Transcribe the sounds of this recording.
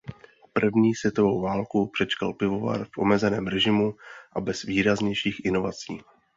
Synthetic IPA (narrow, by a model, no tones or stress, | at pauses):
pr̩vɲiːsʋjɛt̪o̞vo̞wvaːlkupr̥ɛt͡ʃkalpɪvo̞va̰rfʔo̞̰mɛzɛnɛːmɾɛʒɪmuʔabɛz̥viːɾazɲɛjʃiːxʔɪno̞vat͡siː